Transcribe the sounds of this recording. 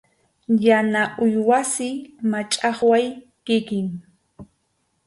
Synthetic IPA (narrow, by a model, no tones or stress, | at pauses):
janaʔʊjwasɪmat͡ʃʼɑχwaj | kɪkɪŋ